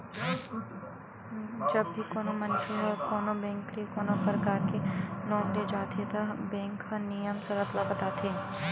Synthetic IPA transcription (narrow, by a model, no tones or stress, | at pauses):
d͡ʒɐbbʱikoːnomɐnʃeɔɾkoːnobɛ̃ːŋklikoːnopəɾkaːɾkeloːnled͡ʒaːt̪ʰet̪ɐbɛ̃ːŋkɦɐnijəmsɐɾɐt̪labɐt̪aːt̪ʰeː